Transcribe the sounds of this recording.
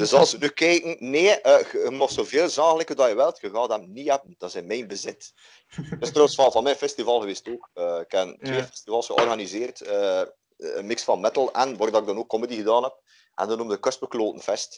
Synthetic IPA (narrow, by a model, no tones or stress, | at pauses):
d̥ɵzɑlˠsənykɛjkən̩neːəɣəəmɔxtsoːveːlˠzɑːxələkədɑjəʋɪlˠtxəɣɑːdɛmniɦɛbənd̥ɑzɛnmɛjnbəzɪt | tɪst̪rɔwəsfɑvɑnmɛjnfɛstivɑlˠɣəʋeːstoːkəɪkɛntweːfɛstivɑlˠsxəɔ̰rɣanizeːrtəː | mɪksfɑnmɛtəl̩ˠɛnʋɑːrdɑɪɡdɑnoːkːɔmədiɣədɑːnɦɛp̚ | ʔɛ̰ndənumdəkɵst̚bəkloːtənv̥ɛst